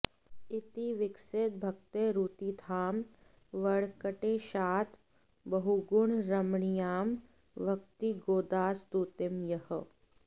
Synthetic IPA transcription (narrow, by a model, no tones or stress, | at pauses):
ɪt̪iʋɪkset̪̚bʱɐk̚t̪eɾuːt̪it̪ʰaːm | ʋɐɽkəʈeʃaːt̪ʰ | bɐɦuɡʊɳɾɐmɳijaːm | ʋɐkt̪iɡoːd̪aːst̪uːt̪ɪmjɐhə